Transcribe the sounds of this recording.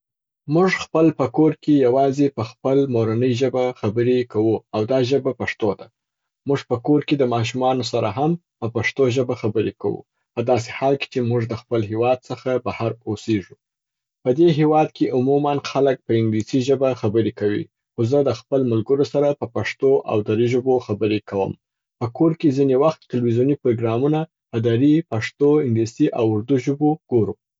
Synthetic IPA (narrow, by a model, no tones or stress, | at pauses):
muʐxpəlpəkoɾkejawɑzepəxpəlmoɾanəjʒəbaxabəɾekawuawd̪ɑʒəbapaʂt̪od̪a | muʐpəkoɾked̪əmɑʃ̬umɑnosaɾaɦampəpaʂt̪oʒəbaxabəɾeka̰wṵ | pəd̪ɑs̬e̥hɑlke̥t͡ʃemuʐd̪əxpəlɦewɑd̪̚səxabahaɾoseʒu | pəd̪eɦewɑd̪̚keʔʊmumanxalək̚pəɪŋɡlisiʒəbaxabəɾekawḭ | xozəd̪əxpəlmalɡəɾosaɾapəpaʂt̪oʔa̰wd̪aɾiʒəboxabəɾekʰawə̰m | pəkoɾkezinewaxt̪ːɪlwizjunipɾoɡɾɑmuna | pəd̪aɾipaʂt̪oɪŋɡlisiʔawʊɾd̪uʒʊboɡ̥oɾu